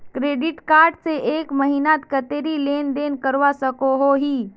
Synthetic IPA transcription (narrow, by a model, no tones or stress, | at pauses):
kɾeːɖɪʈkaːɾɖseʔeːkməɦinat̪kət̪eːɾileːnd̪eːnkəɾʋasəkoɦoɦiː